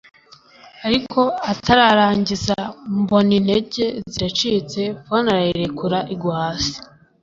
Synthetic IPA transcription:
aɾikʰo̞atʰaɾaɾaːɲɟizambo̞nine̞ɟe̞ziɾat͡ʃit͡se̞fonaɾaeɾe̞kuɾaʔiɡwaːsi̥

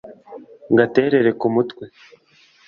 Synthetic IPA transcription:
ŋɡate̞ːɾe̞ɾe̞kumutwe

